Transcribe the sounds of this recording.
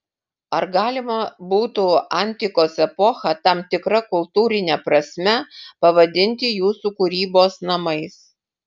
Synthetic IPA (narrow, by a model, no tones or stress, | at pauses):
ɐɾɡɑːlʲɪmɐbuːt̪uːɐnʲt̪ʲɪkoːsɛpɔxɐt̪ɐmt̪ʲɪkɾɐkʊlˠt̪uːɾʲɪnʲɛpɾɐsʲmʲɛpɐʋɐd̪ʲɪnʲt̪ʲɪjuːsuːkʊɾʲiːboːsnɐmɐɪs